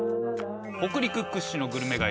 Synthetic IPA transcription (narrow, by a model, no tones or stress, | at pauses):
okɯ̟ɾʲikɯ̟kːɯ̟ɕːino̞ɡɯ̟ɾɯ̟me̞ɡa